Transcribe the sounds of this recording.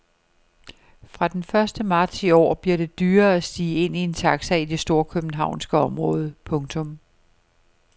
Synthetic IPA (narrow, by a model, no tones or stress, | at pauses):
fʁɑ̈d̥enfɶɐsd̥əmɑ̈ːd̥siɒ̰ːb̥liɐd̥e̝d̥yːɐæsd̥iːe̝n̰ie̝nt͡sʰɑ̈ɡ̥sæid̥e̝sd̥o̝ɐkʰøb̥n̩ɦɑ̈ʊ̰nsɡ̥əɒ̽mʁɔ̽ːð̞ˠəpʰɔ̽ŋt͡sʰɔ̽m